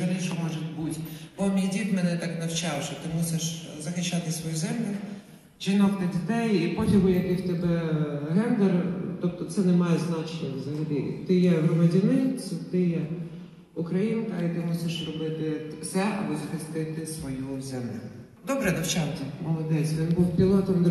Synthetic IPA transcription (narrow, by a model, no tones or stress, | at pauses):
ʒɐlʲˠiʃɔmɔʒetʲbutʲbɔmʲijdʲit̪mɛnɛt̪ɑknɐwt͡ʃɑwʃɔt̪ɪmusʲɪʃzɐxɪʃt͡ʃːɑt̪ɪsʋɔjuzɛmlʲʊ | ʒinɔkt̪ɐdʲit̪ɛjipɔtʲiɦʊjɐkɪwt̪ebɛɦɛnd̪ert̪ɔp̚t̪ɔt̪sɛnemɑjɛznɑt͡ʃnʲɔzɐɦɐlʲḭt̪ɪjɛɦɾɔmɐdʲɐnɪsʲʊt̪ɪjɛ | ukɾɐjinkɐit̪ɪmusʲɪʃrɔbɪt̪ɪsɛɐ̰bʊzɐxɪst̪ɪt̪ɪsʋɔjuzʲɐnɪ̰ | d̪ɔbɾɛnɐwt͡ʃɑwt̪ɛmɔlˠɔd̪ɛt͡sʲʋʲinbuwpʲilˠɔt̪ɔmd̪